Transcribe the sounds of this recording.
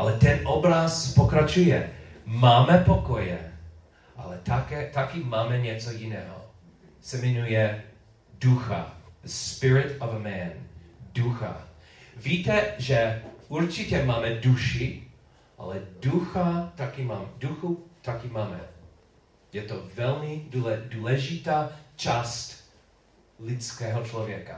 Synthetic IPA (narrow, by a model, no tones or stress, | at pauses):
ʔalɛt̪ɛnʔobɾaspokɾat͡ʃujɛmaːmɛpokɔjɛ | ʔa̰lɛt̪akɛt̪akimaːmɛɲɛt͡sɔjinɛːɦɔ̰ | sɛmɛɲujɛ | duxa̰spɪɹɪt̪ɔvəmɛnduxa̰ | viːt̪ɛʒɛuɾt͡ʃicɛmaːmɛduʃi | ʔa̰lɛduxat̪akimaːmɛduxut̪akimaːmɛ̰ | jɛt̪ovɛlmiduɛduːlɛʒit̪aːt͡ʃast̪ | lɪt͡skɛːɦɔt͡ʃlɔvjɛka̰